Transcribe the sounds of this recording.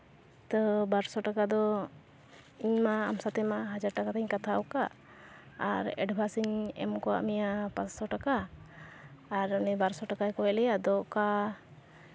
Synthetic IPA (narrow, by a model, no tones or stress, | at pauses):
t̪əbaɾsɔʈakad̪ɔ | iɲmaːmsat̪ɛmaɦad͡ʒaɾʈakat̪aɲkat̪ʰaɔkaː | ɾɛ̰ɖbʱasiɲɛ̰mkɔwa̰ʔmɛjapassɔʈaka | ɾanɛbaɾsɔʈakajkɔɛlɛjad̪ɔʔka